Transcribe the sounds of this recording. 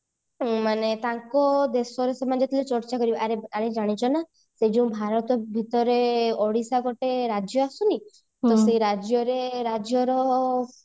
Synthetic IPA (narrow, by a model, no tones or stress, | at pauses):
manet̪aŋkɔd̪esɔɾesemad͡ʒɔt̪ʰilet͡ʃɔɾt͡ʃakɔɾibaʔaɾeaɾed͡ʒaɽ̃it͡ʃʰɔna | sed͡ʒuw̃bʱaɾɔt̪ɔbʱit̪ɔɾeɔɽisaɡɔʈeɾad͡ʒjɔasuni | t̪ɔseɾad͡ʒjɔɾeɾad͡ʒjɔɾɔ